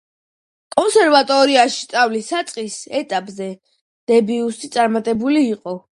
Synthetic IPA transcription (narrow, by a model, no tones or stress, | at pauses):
kʼɔnsɛɾvat̪ʼɔɾiaʃi̥st̪sʼavlisat̪sʼqʼisɛt̪ʼapʼzɛ | d̪̥ɛbiust̪it̪sʼaɾmat̪ʼɛbuliːqʼɔ